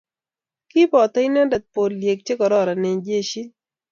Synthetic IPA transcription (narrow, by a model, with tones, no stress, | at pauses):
kɪ˦pɔ˨t̪a˦jna˦da˨t̪̚po˨llje˨k̚t͡ʃe˦kɔ˨ɾɔ˦˨ɾa˨ne˨d͡ʒe˦˨ʃi˦